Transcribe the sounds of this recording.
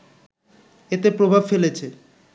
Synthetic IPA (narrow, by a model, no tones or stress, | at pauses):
et̪epɾobʱabfelet͡ɕʰe